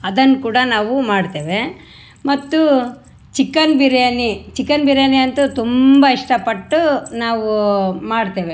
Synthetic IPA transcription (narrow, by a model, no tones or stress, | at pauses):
ɐd̪ɐnːkuːɽɐnaːʋumaːɖt̪eːʋe | mɐt̪ːu | t͡ʃikːɐnbiɾjɐnit͡ʃikːɐnbiɾjɐniɐnt̪ut̪umbɐiʂʈɐpɐʈːunaːʋumaːɽt̪eːʋe